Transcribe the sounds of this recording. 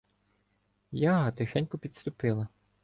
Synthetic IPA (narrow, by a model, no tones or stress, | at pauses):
jaɦɐt̪exɛnʲkʊpʲit̪st̪ʊpɪlˠɐ